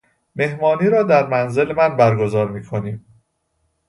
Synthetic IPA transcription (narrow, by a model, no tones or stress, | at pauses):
me̞hmɒːniːɾɒːd̪æɾmænze̞lemænbæɾɡo̞zɒːɾmiːkʰo̞niːm